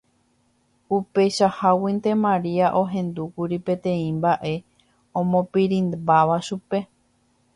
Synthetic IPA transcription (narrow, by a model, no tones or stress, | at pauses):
upe̞ʃahawint̪e̞mãɾiaʔo̞ɦẽ̞nd̪ukuɾipẽ̞t̪ẽ̞ĩmbaʔe̞ | õmõ̞piɾĩnbaʋaʃupe̞